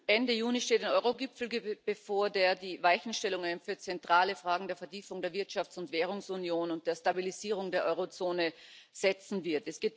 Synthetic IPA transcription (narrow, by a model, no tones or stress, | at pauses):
ʔɛndəjuːniʃteːtaɪnʔɔʏʁoɡɪpfl̩ɡb̥əfoːɐdeːɐdiːvaɪçn̩ʃtɛlʊŋaɪnfyːɐt͡sɛntʁ̥aːləfʁ̥aːɡŋ̩deːɐfɛɐtʰiːfʊŋdeːɐvɪɐtʃaft͡sʊntv̥ɛːʁ̞ʊŋsunjoːnʊnt̚d̥eːɐstabiliziːʁ̞ʊŋdeːɐʔɔʏʁot͡soːnəz̥ɛt͡sn̩vɪɐtɛsɡ̥eːt